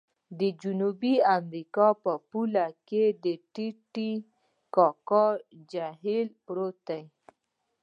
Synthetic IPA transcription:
d̪əd͡ʒunubiamɾikɑpəpulaked̪əʈiʈi | kɑkɑd͡ʒaɦɪlpɾot̪aj

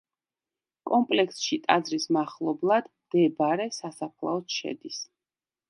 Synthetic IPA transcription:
kʼɔmpʼlɛksʃit̪ʼad̪zɾismaχlˠɔblˠad̪ | d̪ɛbaɾɛsasapʰlˠa̰ɔsʃɛ̰d̪is

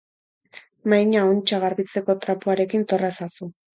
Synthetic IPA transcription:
majɲaont͡ʃaɣaɾβit͡se̞ko̞t̪ɾapuaɾe̞kint̪o̞rasasu

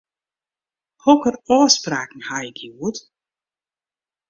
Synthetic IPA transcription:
hokərɔːspraːkn̩haːjɪkjiuət

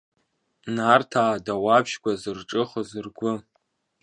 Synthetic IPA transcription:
nartʰaːdawabʃɡʷʼazɨrʈ͡ʂʼɨχəzɨrɡʷʊ

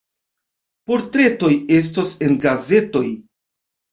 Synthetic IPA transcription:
po̞ɾtɾe̞to̞je̞s̬tose̞nɡaze̞to̞j

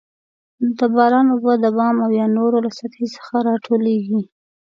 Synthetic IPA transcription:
d̪əbɑɾɑnobad̪əbɑmawjɑnoɾolasak̪isə̥xaɾɑʈʰoleɡi

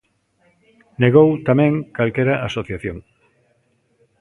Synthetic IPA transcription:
neɣ̞owt̪amɛ̃ŋkalkeɾɐʔasoθjaθjoŋ

